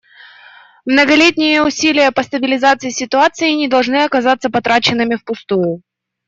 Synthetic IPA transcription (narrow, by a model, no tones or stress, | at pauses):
mnəɡɐlʲetʲnʲɪjəʊsʲilʲɪjəpəst̪əbʲɪlʲɪzat̪sɨjɪsʲɪt̪ʊat̪sɨɪnʲɪd̪ɐlˠʐnɨɐkɐzat̪sːəpɐt̪ɾat͡ɕɪnːɨmʲɪfpʊst̪ujʊ